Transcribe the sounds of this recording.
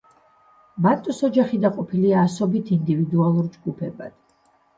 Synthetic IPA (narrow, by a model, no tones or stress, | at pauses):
bant̪ʼusɔd͡ʒaχid̪aqʼɔpʰiliaːsɔbit̪ʰind̪ivid̪ualˠuɾd͡ʒɡupʰɛba̰d̪̥